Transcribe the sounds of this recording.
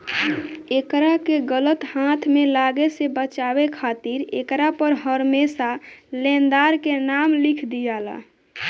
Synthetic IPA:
ekɾakeɡələt̪hat̪ʰmelaɡesebət͡ʃabekʰat̪iɾḛkɾapəɾɦəɾmesalẽnd̪aɾkenamlikʰd̪ijala̰

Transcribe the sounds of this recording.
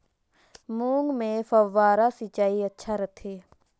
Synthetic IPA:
muːŋɡmẽːfəʋːaːɾaːsit͡ʃaːiətːʃʰaːɾət̪ʰeː

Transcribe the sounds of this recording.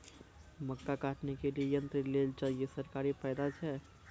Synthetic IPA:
məkːakaːʈnekeliejə̃nt̪ɾəleːld͡ʒaːliesəɾkaːɾipɛːd̪at͡ʃʰɛː

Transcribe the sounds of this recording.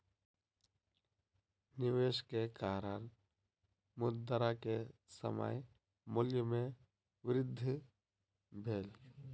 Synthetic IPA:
nɪʋeːʃkekaːɾaɾ | mʊd̪əɾakesə̰ma̰j | mʊljəmẽ | ʋɪɾɪd̪ʱː | bʱeːl

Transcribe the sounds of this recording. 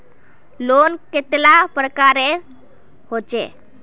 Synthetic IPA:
loːnket̪lapɾəkaɾe | hot͡ʃḛ

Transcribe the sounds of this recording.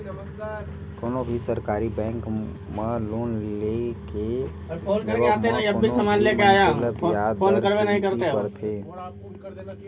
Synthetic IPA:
koːnobʱisəɾkaːɾibɛ̃ːŋk | məloːnleke | ɾfʰoːlkəɾeaːt̪enəĩɐbbʱisəmaːnlekeaːjaəoːjaːd̪pʰoːnkəɾbenəɦĩkəɾt̪eəɾt̪ʰeː

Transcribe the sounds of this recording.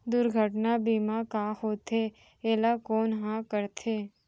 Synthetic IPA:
d̪ʊɾɡʱəʈnabiːmakahoːt̪e | eːlakoːnɦãkəɾt̪ʰeː

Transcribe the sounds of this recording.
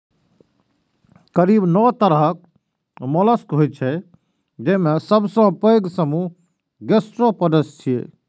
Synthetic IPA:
kəɾibnɔt̪əɾəɦk | mɔləskɦojt͡ʃʰɛ | d͡ʒemesəbsɔ̃pəjɡsəmu | ɡesʈɾopəd̪əst͡ʃʰijḛ

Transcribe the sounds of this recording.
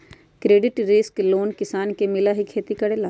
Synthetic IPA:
kɾeːɖɪʈɾɪskloːnkɪsaːnkemɪlaɦikʰeːt̪ikɐɽeːlaː

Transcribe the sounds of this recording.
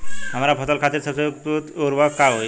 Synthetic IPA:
ɦəm̤aɾapʰət̪əlkʰat̪iːɾsəbset̪ut̪oɾʋakaɦoj

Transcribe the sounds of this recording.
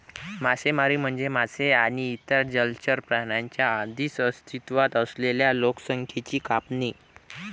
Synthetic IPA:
masemaɾiːm̤əɳd͡zemaseaniːt̪əɾd͡ʑəlt͡ɕəɾpɾaɳjaɲt͡ɕjaːd̪ʱisəst̪ʰit̪ʋat̪əsleljaloksəŋkʰjet͡ɕiːkapni

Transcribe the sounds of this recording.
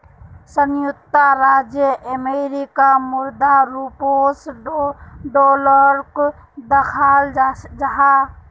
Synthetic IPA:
sənjukt̪aɾad͡ʒjəʔəmeɾikamuɾd̪aɾupos | ɖoləɾk | d̪əkʰald͡ʒaɦa

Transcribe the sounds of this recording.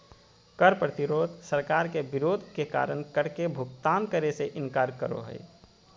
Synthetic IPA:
kəɾpɾət̪ɪɾoːd̪ʱsəɾkaːɾkebɪɾoːd̪ʱkeka̰ːɾəñkəɽkebʱʊɡt̪aːnkəɾeseʔɪ̃nkaːɾkəɾo̰ɦə̰ɪ

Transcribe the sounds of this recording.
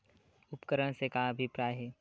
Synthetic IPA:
ʊpkəɾəɽ̃sekaɐbʱɪpɾaːjɦɛː

